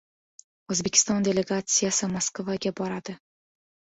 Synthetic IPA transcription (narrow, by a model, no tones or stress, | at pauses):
ɵzbe̞kʲʰɪ̥st̪ɒnd̪ʲe̞le̞ɡat̪sijasɪmaskvaɡʲabɒɾad̪̥ɪ